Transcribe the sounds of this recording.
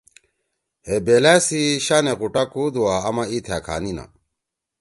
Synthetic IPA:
hebeːlasiɕanequʈakud̪uwaɐmait̪ʰaːkʰa̰ːnina̰

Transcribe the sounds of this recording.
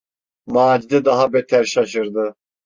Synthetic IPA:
maːd͡ʒid̪ɛd̪aɦabet̪ʰæɾʃaʃɯɾd̪ɯ

